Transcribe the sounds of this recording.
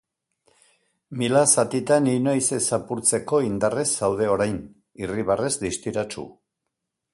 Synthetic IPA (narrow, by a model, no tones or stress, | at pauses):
milasat̪it̪aninojsesapuɾt͡se̞ko̞ind̪are̞sawð̞e̞o̞ɾajn | iriβare̞zd̪ist̪iɾat͡ʃṵ